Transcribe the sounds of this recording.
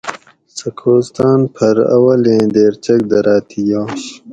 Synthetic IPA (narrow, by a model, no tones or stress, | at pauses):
sɐkʰoːst̪aːnpʰɐɾɐ̰wɐlẽːd̪eːɾt͡ɕɐk̚d̪ɐɾaːt̪ʰijaːɕ